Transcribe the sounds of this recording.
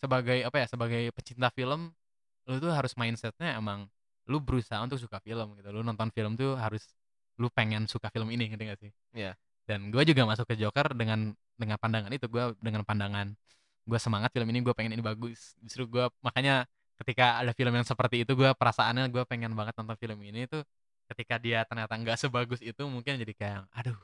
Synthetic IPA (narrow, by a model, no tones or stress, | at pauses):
səbaɡajapajasəbaɡajpəɲt͡ʃint̪afiləm | lut̪uɦaɾʊsmainsɛt̪̚ɲaemaŋ | lubəɾusaɦaunt̪ʊk̚s̬ukafiləmɡit̪ulunɔnt̪ɔnfiləmt̪uɦaɾʊs | lupeŋɛnsukafiləminikənt̪iŋɡasɪh | j | danɡuad͡ʒuɡamas̬ʊkːəd͡ʒokərdəŋan | dəŋanpandaŋanit̪uɡuadəŋanpandaŋan | ɡuasəmaŋat̪filəminiɡuapeŋɛninibaɡʊsbisɾuɡuamakaɲa | kət̪ikaːdafiləmjaŋsəpərt̪iːt̪uɡuapəɾasaanɲaɡuapeŋɛnbaŋət̪̚nɔnt̪ɔnfiləminit̪u | kət̪ikadiat̪ərɲat̪aŋɡaʔsəbaɡʊsit̪umuŋkɪnd͡ʒadikajaŋadu